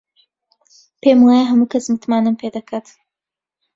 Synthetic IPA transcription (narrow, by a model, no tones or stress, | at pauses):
pemwaːjaɦɐmuːkʰɐsmɨt̪maːnɨmpʰeːd̪ɐkʰat̪